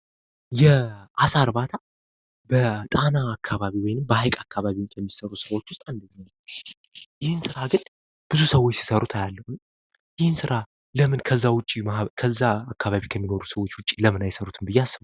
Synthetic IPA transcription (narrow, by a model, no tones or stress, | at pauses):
jɛʔasaɾbat̪ʰa | bət̪ʼanaːkʰːaβaβiwɔjnɨmbəhajkʼakʰːaβaβijɛmːisəɾusɨɾawo̞t͡ʃːwʊst̪ʼand̪əɲa | jɪhɨnsɨɾaɡɨn | b̥ɨzusəwot͡ʃːsi̥səɾut̪ʰajalːəhun | jɪhɨnsɨɾa | ləmɨnkʰəzːawʊt͡ʃʼimakʰəzːaakːaβaβikʰəmːinoɾusəwot͡ʃːwʊt͡ʃʼːi̥ləmɨnajsəɾut̪ʰɨnbɨjːeasːɨβə